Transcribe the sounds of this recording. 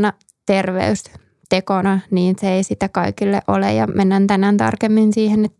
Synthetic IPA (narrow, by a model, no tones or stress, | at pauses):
nɑ | t̪erʋḛys | t̪ekonɑniːnseeisit̪ækɑikilːḛʔo̰lḛjɑ̰mʔenːænt̪ænænt̪ɑ̰rkemːinsiːhenet̪ː